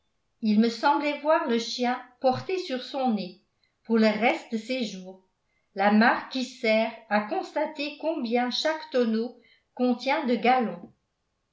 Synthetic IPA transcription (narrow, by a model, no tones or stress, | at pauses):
ilməsɑ̃blɛvwaʁləʃjɛ̃pɔʁt̪esyʁsɔ̃ne | puʁləʁɛst̪̚d̪əseʒuːʁ | lamaʁkːisɛʁakɔ̃st̪at̪ekɔ̃bjɛ̃ʃakt̪ɔno | kɔ̃t̪jɛ̃d̪əɡalɔ̃